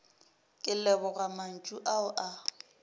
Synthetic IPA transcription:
kʼɪlɛbɔɣaman̩t͡ʃʼuʔaʊʔa

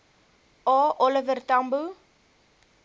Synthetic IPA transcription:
ɑːʔɔləvərt̪ambu

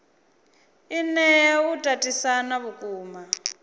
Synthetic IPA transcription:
inɛutʼatʼisanaβukʼuːma

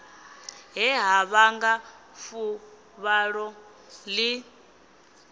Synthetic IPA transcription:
ɦɛɦaβaŋɡa | fu | βaɺɔ | li

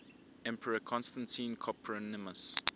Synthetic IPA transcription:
ɛ̃mpʰəɹəkʰɔ̃nstãntʰĩnkʰɔpʰɹɔnɪməs

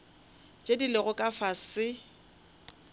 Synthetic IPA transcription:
t͡ʃʼedilɪɣʊkʼafasɪ

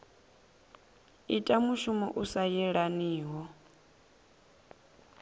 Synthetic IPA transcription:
itʼamuʃumɔ̰ʔusajɛɺaniːɦɔ

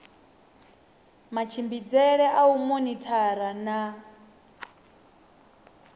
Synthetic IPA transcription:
mat͡ʃʰimbid͡zɛɺɛʔaumonitʰaɾana

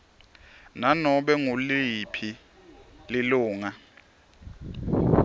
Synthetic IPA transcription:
nanɔɓɛŋulipʰi | lɪluːŋa

